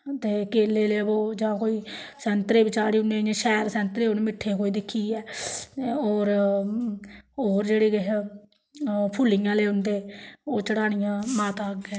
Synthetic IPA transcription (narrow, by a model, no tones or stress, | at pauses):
t̪eːkeːleːleːboːd͡ʒãːkoːiːsɛnt̪ɾeːbɪt͡ʃaːɾiːʊnẽːãːʃɛːɾsɛ̃nt̪ɾeːʊnːmɪʈʰːeːkoːiːd̪ɪkʰːiːɛː | oːɾ | oːɾd͡ʒeːɽeːɡeɦ | pʰʊːlɪːãːleːʊnd̪eːoːt͡ʃəɽaːnɪjãːmaːt̪aːɡɛː